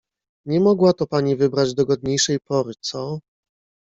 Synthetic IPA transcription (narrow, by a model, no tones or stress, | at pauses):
ɲɛmɔɡwat̪ɔpaɲivɘbɾad͡ʑd̪ɔɡɔd̪̚ɲejʂɛjpɔɾɘt̪sɔ